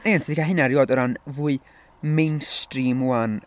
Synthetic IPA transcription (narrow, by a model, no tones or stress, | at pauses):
nentʰvikʰaɦɪnaɾjoːdɔɾanvuɨ | mejnstrimuan